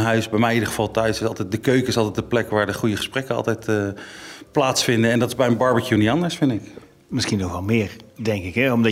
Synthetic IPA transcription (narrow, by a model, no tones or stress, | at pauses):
ɦœɥsbɛjmɛjidəχəvɑlˠtœɥsɪsɑlˠtɛjt̚dəkøɥkəɪsɑlˠtɛjtdəplɛkʋaːɹdəχujəχəsprɛkənɑ̰lˠtɛjtəplaːtsfɪndənɛndɑtɪzbɛjənbɑɹbəkjuniɑndəɹsfɪndɪk | mɪsχinoxʋɛlˠmɪːɹdɛŋkɪkɦɛɔmdɑ